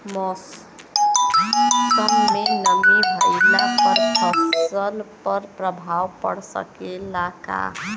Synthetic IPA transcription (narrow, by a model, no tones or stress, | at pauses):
mɔs | kəmmenəmbibʱəjlapəɾʌbsəlpəɾpɾəbʱawpə̰ɽsə̰kelaka̰